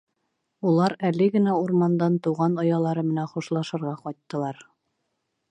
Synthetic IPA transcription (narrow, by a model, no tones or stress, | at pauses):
ulˠɑɾælɘɡɘ̆næuɾmɑnd̪ɑnt̪uʁɑnŏjɑlˠɑɾɤmɘ̆nænχuʃlˠɑʃɤ̆ɾʁɑqɒjt̪ːɤ̆lˠɑɾ